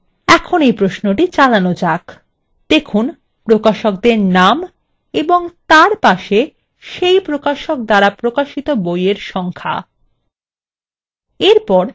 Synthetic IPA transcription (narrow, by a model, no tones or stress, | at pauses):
ɛkʰonejpɾosnoʈit͡ɕalanod͡ʑak | d̪̥ekʰun | pɾokaʃok̚d̪eɾnam | eboŋt̪aɾpaʃe | ʃejpɾokaʃok̚d̪aɾapɾokaʃit̪obojeɾʃɔŋkʰa̰ | eɾpɔɾ